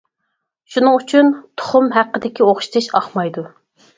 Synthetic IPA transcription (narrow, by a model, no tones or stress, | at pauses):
ʃunɨŋyt͡ʃʰynt̪ʰo̥χʊmɦæqːəd̪ɪkʲioχʃt̪ʰɨʃɑχmɑjd̪u